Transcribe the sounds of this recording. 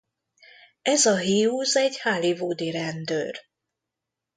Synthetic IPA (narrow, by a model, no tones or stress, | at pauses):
ɛzɒɦiuzɛɟhaːlivoːd̪iɾɛnd̪øːr